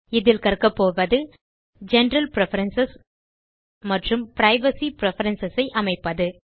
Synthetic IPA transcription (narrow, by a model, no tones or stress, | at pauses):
ɪðɪlkɐrkɐpːoːʋɐðɯ | d͡ʒɛnɾɐlpɪɾɛfɐɾɐnsɐs | mɐʈrɯmpɪɾɐɪʋɐsipɪɾɛfɐɾɐnsɐsɐɪʔɐmɐɪpːɐðɯ